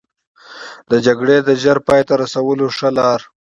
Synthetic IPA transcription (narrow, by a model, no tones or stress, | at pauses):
d̪əd͡ʒaɡɽed̪əʒaɾpɑːjet̪aɾasawəloʂəlɑɾ